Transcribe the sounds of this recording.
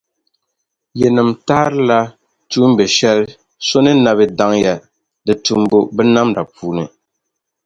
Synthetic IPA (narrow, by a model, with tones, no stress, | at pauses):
jɛ˨nɨ˨mtaː˦ɾɨ˦la˦ | tu˦m˦bɛ˨ʃɛ˦l | so˦nɨ˦na˨βɨ˦da˦ŋja˨ | dɨ˨tu˨mbo˦bɛ˦na˦mda˨pʰuː˦nɨ˨